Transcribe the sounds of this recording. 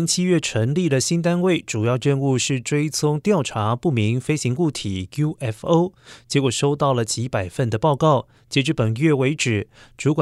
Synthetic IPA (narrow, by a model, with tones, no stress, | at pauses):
nt͡ɕʰi˥ɥɛ˥˩ʈ͡ʂʰə˧˥ŋli˥˩d̪ə˩ɕi˥nt̪̬a˥nwe˥˩ɪʈ͡ʂu˨˩jɑ˥˧ʊɻə˥˧nu˥˧ʂɻ̩˥˩ʈ͡ʂwe˥ɪt͡sʰʊ˥ŋt̪jɑ˥˩ʊʈ͡ʂʰa˧˥pu˥˩mi˧˥ŋfe˥ɪɕi˧˥ŋku˥˩t̪ʰi˨˩˦ju˥ʔɛ˥fo˥ʊt͡ɕjɛ˧˥kwɔ˨˩ʂo˥ʊt̪ɑ˥˩ʊlə˩t͡ɕi˧˥pa˨˩ɪfə˥˩nd̪ə˩pɑ˥˧ʊkɑ˥˩ʊ | t͡ɕjɛ˧˥ʈ͡ʂɻ̩˧˥pə˨˩nɥɛ˥˩we˧˥ɪʈ͡ʂɻ̩˨˩˦ʈ͡ʂu˧˥kwa˨